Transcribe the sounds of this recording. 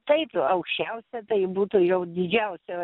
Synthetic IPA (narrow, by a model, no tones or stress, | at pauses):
t̪ɐɪpɐʊkʃʲt͡ʃʲɛʊsʲɛt̪ɐɪbuːt̪uːjɛʊd̪ʲɪd͡ʒʲɛʊsʲɛ